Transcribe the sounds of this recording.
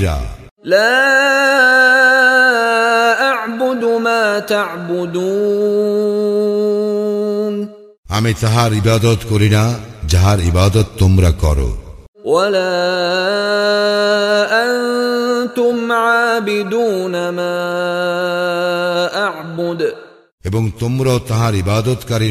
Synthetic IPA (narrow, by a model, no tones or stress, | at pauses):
ɾa̰ | laː | ʔaʕbʊd̪maːt̪aʕbʊd̪uː | n | amit̪aɦaɾibad̪ot̪koɾinad͡ʑaɦaɾibad̪ɔt̪ːomɾakɔ̰ɾo̰ | walaː | ʔannt̪ʊmʕaːbɪd̪uːnamaː | ʔaʕbʊd̪ | eboŋt̪omɾaot̪aɦaɾibad̪ot̪kaɾi